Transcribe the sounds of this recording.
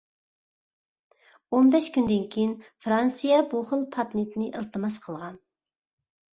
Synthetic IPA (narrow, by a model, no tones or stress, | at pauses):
onbɛʃkʲynd̪ɪnkʲʰejinfɾɑnsijɛbuχəlˠpʰɑt̪nɪt̪nɨʔəlˠt̪ʰɨmɑsqʰəlˠʁɑn